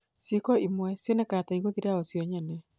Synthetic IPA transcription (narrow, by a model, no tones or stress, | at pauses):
sikɔimwɛsjɔnɛkataiɣoðiɾaɔsjɔɲɛnɛ